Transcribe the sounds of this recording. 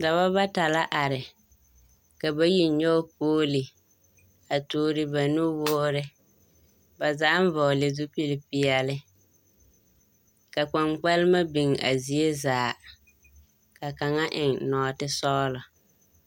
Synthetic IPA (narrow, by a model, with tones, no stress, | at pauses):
da˨βa˦ba˦ta˨la˦ʔa˨ɾɪ˨ | ka˨ba˦ji˦ɲɔ˦poː˦li˨ | a˨tuː˦ɾɪ˦ba˨nu˦woː˦ɾɪ˦ | ba˨za˦ʔɱ˦vɔ˨le˨zu˦pi˦li˨pi˦ɛ˨lɪ˦ | ka˨k͡pa˨ŋk͡pa˦lɪ˦ma˦bi˨ŋa̰˨zi˨e˦zaː˨ | ka˨ka˨ŋa˦ʔɪ˨ŋnɔː˨tɪ˦sɔ˦lɔ˨